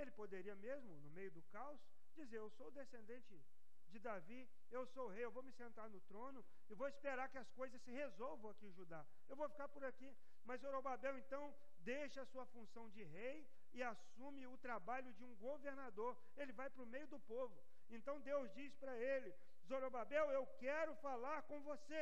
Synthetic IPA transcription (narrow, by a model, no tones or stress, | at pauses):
elɪpod̪eɾiɐmezmʊnʊmejʊd̪ʊkaws | d͡ʒizeɾewsoʊd̪esẽnd̪ẽnt͡ʃɪ | d͡ʒɪd̪avi | ewsoʊɦejewvowmɪsẽnt̪aɾnʊt̪ɾõnʊ | ɪvowɪspeɾaɾkɪɐskojzɐssɪhezowvɐ̃ɐkiʒud̪a | ewvowfi̥kaɾpʊɾaki | mɐzzoɾobabɛwẽnt̪ɐ̃w̃ | d̪ejʃɐɐsuɐfũsɐ̃w̃d͡ʒɪɦej | ɪasũmɪʊt̪ɾabaʎʊd͡ʒɪũɡoveɾnad̪oɾ | elɪvajpɾʊmejʊd̪ʊpovʊ | ẽnt̪ɐ̃w̃d̪ewzd͡ʒispɾɐelɪ | zoɾobabɛwewkɛɾʊfalaɾkõvose